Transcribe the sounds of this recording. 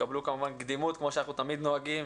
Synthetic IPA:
ablukamuvanɡd̪imut̪kmo̞ʃanaχnut̪amid̪noaɡim

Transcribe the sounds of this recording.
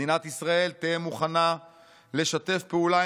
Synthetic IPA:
inat̪isʁae̞lt̪emuχana | le̞ʃat̪e̞fpeula

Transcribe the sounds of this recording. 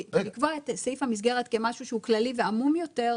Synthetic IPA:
likvoaet̪seifhamis̬ɡe̞ʁetke̞maʃuʃeuklaliveamumjo̞te̞ʁ

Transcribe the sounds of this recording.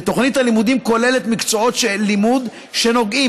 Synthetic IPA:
t̪o̞χnitalimud̪imko̞le̞le̞t̪mikt͡so̞ot̪ʃelimud̪ | ʃe̞no̞ɡʔi

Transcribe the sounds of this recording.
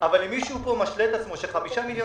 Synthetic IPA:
ʔavalimːiʃupo̞maʃlet̪at͡smo̞ʃeχamiʃamiljo

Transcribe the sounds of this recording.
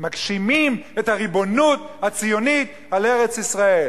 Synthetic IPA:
makʃimimethaʁibo̞nuthat͡sijo̞nit | ale̞ʁe̞t͡sisʁae̞l

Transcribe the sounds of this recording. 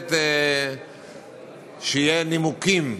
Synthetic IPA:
t̪e | ʃejenimukim

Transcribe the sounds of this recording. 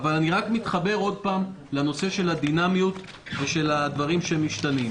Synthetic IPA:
avalaniʁakmit̪χabe̞ʁo̞d̪̚paːm | leno̞se̞ʃe̞lad̪inamjut̪ | ve̞ʃe̞lad̪vaʁimʃeemiʃt̪anim

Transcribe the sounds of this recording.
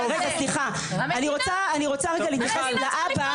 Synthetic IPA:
ʁeɡasliχa | aniʁo̞t͡saːniʁo̞t͡saʁeɡalit̪jafeset̪laʔapa

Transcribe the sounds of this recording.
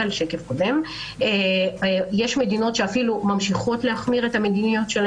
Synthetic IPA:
alʃekefkode̞m | e | jeʃme̞dino̞tʃeafilumamʃiχo̞tlehaχmiʁe̞tame̞dinijo̞tʃel

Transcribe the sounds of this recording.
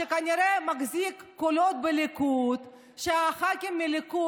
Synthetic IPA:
ʃekaniɾemaɡzikːolot̪̚belikut̪ | ʃeaχakemːiliku

